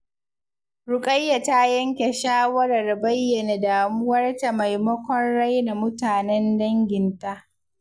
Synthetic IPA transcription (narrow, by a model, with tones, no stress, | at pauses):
ɾʊ˨kʼɐ˦jːa˨ta˦jɐ˦ŋkʲe˨ʃaː˦wɐ˦ɾɐ˨rbɐ˦jːɐ˨na˨daː˨mʊ˦wɐ˦rta˨ma˨jmɐ˦kʷɔ˦nɽa˦jna˨mʊ˦taː˨nɛ˦ndɐ˦ŋɡʲɪ˨nta˦ʔ